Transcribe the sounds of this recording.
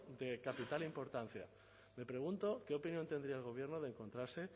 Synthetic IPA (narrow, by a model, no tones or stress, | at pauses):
d̪e̞kapit̪alimpo̞ɾt̪an̟θja̰ | me̞pɾe̞ɣ̞unt̪o̞keopinjo̞nt̪end̪ɾiaelɣ̞o̞β̞je̞ɾnoðeŋko̞nt̪ɾaɾse̞